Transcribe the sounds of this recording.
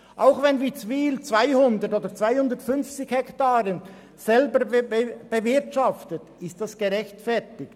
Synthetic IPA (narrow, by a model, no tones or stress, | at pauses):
ʔaʊxvɛnviːt͡sviːlt͡svaɪhʊndəɾtoːdət͡sv̥aɪhʊndəɾtfʏnft͡sɪçhɛktaːɾən | z̥ɛlbəɾb̥əvɪɾtʃɑftət | ɪst̚d̥asɡ̥eɾɛçtfɛɾtɪk